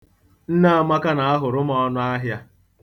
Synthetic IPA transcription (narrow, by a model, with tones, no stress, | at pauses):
n̩˦na˦a˦ma˦ka˦na˨a˦ɦʊ˨ɾʊ˦mɔ˦ɔ˦nʊ˦a˦ɦja˦